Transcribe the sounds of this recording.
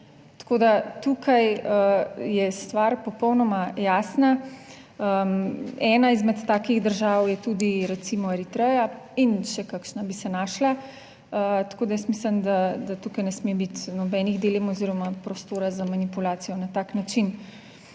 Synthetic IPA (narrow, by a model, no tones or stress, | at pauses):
t̪ḁkoːd̪at̪ukʰajəjɛst̪ʋaɾpɔpɔwnɔmajaːsna | ə | ɛːnaizmɛt̪ːaːkiɣd̪əɾʒawjɛt̪uːd̪iɾɛt̪simɔeɾit̪ɾɛːja | inʃɛkakʃnabisɛnaːʃla | ət̪ḁkoːd̪ajɛst̪mislənd̪ad̪at̪ukajnɛsmebit̪nɔbɛniɣd̪elemɔziːɾɔmapɾɔst̪oːɾazamanipulaːt̪sijɔnat̪aknat͡ʃin